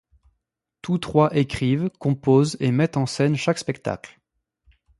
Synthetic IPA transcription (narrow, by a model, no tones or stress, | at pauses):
t̪ut̪χwaʔekχivkɔ̃pozemɛt̪ɑ̃sɛnʃakspɛkt̪a̰kl